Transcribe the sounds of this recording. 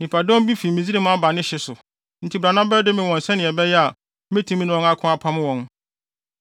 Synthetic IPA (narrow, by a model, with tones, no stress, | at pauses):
nĩ˨pʰa˨dɔ̃˦m˦bi˦fi˨mĩ˨zi˦ɾi˦m̃˦a˦ba˨nɪ̃˦ɕɪ˦sʊ˨ | n̩˨tʰi˨˦bɾa˨nã˦bɛ˦dɪ˦mɪ̃˨wɔ̃˨n̩˨sɛ˦nɪ̃˨ɛ˨bɛ˦jɛ˦a˨ | mẽ˦tʰĩ˦mĩ˦nʊ̃˨wɔ̃˨na˦kʰʊ̃˦a˦pʰã˦m˦wɔ̃˨n